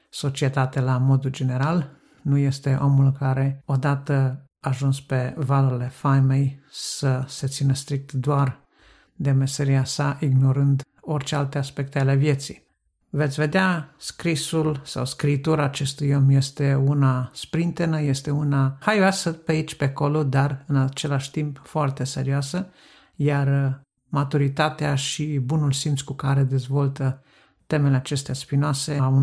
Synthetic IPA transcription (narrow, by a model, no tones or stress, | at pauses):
so̞t͡ʃie̞t̪at̪elamo̞d̪uld͡ʒe̞neɾal | nuje̞st̪e̞ʔo̞mulɨŋkaɾe̞o̞d̪at̪ə | aʒunspe̞valuɾile̞famejsəse̞t̪sinəst̪ɾik̚t̪d̪oar | d̪e̞meseɾiasaʔiɡno̞ɾɨnd̪ | o̞rʲt͡ʃealt̪e̞aspe̞k̚t̪e̞ale̞vje̞t̪sij | vet̪sʲve̞d̪easkɾisulsa̰wskɾiːt̪uɾaːt͡ʃe̞st̪ujomje̞st̪e̞unaspɾint̪enəje̞st̪e̞unahajoasəpeait͡ʃʲpeko̞lod̪arɨnat͡ʃe̞laʃʲt̪impfoart̪e̞se̞ɾioasə | jar | mat̪uɾit̪at̪eaʃibunulsimt̪skukaɾe̞d̪e̞zvo̞lt̪ə | t̪e̞me̞leat͡ʃe̞st̪easpinoase̞u